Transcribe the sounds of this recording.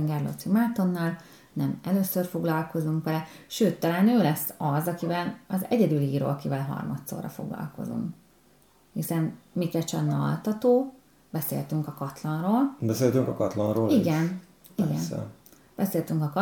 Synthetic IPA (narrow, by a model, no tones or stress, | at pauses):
ŋɡɛrlo̰t̪simaːt̪o̞nːaːl | nɛmɛløːsørfo̞ɡlɒlko̞zuŋkʋɛlɛʃøːt̪ːɛlɛnøːlɛsːɒzɒkivɛlɒzɛɟɛd̪yliːro̰ːlkivɛlɦɒ̰rmɒt̪so̰ːrɒ̰fo̞̰ɡlɒ̰lko̞̰zṵŋk | hisɛnmikɛt͡ʃɛnːɒɒ̰lt̪ɒt̪oː | bɛsḛːlt̪yŋkɒkɒt̪lɒnroːlbɛseːlt̪yŋkɒkɒt̪lɒnɾoːliɡɛn | iɡɛnɛ̰ | b̥ɛseːlt̪yŋkɒk